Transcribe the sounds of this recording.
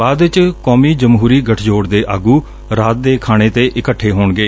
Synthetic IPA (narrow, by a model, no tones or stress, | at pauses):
aːd̪ɪt͡ʃkɔːmiːd͡ʒəmɦuːɾiːɡəʈʰd͡ʒoːɽd̪eːʔaːɡuː | ɾaːt̪̚d̪eːkʰaːɽ̃eːt̪eːʔɪkəʈʰːeːɦoːɳɡeː